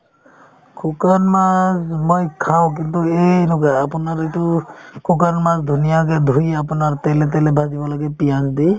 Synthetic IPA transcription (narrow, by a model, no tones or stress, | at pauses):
kʰukanmazmojkʰawk̬int̪uejnɔkaapʊnaɹetʊkʰukanmazdʱunijak̬ɛd̪ʱujapʊnaɹt̪ɛlɛt̬ɛlɛbʱazibɔlaɡɛpijandi